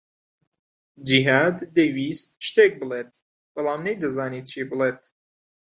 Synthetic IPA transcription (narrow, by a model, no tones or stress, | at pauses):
d͡ʒiɦaːd̪ːejwiːst̪̚ʃt̪eːk̚bɨleːt̪̚ | b̥ɐlaːmnejd̪ɨzaːniːt͡ʃʰibɨleːt̪